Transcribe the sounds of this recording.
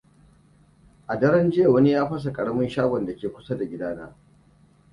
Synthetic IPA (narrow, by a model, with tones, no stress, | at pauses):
ʔa˨dɐ˦ɾɐ˦nd͡ʒɪ˦ja˨wɐ˦ni˦jaː˦ɸɐ˦s̬a˨kʼɐ˨ɽɐ˦mʊ˦nʃaː˦ɡʷɔ˨nda˨kʲeː˨kʷʊ˦sa˦da˨ɡʲɪ˦daː˦na̰ː˦